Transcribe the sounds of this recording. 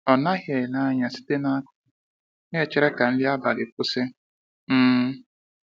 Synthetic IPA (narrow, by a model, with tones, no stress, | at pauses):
ɔ˨na˦ɣje˨la˦ɲa˨si̥˦te˦na˦kʊ̥˨ | ne˦˨t͡ʃɪ˦ɾe˦ka˨n̩˦li˦a˦ba˨lɪ˨kʊ˦se˦ | m̩ː˦